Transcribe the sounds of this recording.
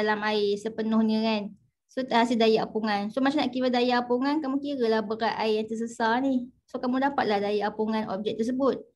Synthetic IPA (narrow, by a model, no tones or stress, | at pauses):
alamaisəpənʊhnikan | sot̪aɦasildajaʔapuŋansomat͡ʃamnaʔkiwadajaʔapuŋankamũkiɾilahbəɾaʔ̪aijaŋt̪əs̬əsanisokamũdapat̪̚lahdajaʔapuŋanʔɔ̰p̚b̚d͡ʒɛk̚t̪ərs̬əbʊt̪̚